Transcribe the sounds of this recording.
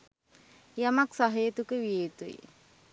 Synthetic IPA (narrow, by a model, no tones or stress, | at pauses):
jamaksaɦəjət̪ukəʋijet̪uḭ